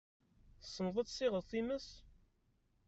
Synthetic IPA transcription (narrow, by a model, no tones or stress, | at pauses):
sːənðˤət̪ˤsɪʁəðθiməs